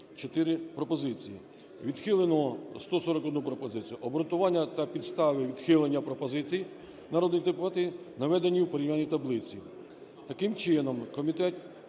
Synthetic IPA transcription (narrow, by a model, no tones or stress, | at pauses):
t͡ʃɔt̪ɪɾɪpɾɔpɔzɪt͡sʲijḭ | ʋʲid̪xɪlˠenɔɔst̪ɔsɔɾɔkɔd̪nupɾɔpɔzɪt͡sʲijʊʔɔbɔɾɔnt̪ʊʋɑnʲːɐt̪ɐpʲid̪st̪ɑʋɪʋʲid̪xɪlˠenʲːɐpɾɔpɔzɪt͡sʲij | nɐɾɔd̪nijt̪ɪpʋɑt̪ɪ | nɐʋɛd̪enʲːiwpeɾʲimʲanʲːijt̪ɐblˠɪt͡sʲi | t̪ɐkɪmt͡ʃɪnɔmkɔmʲit̪ɛt̪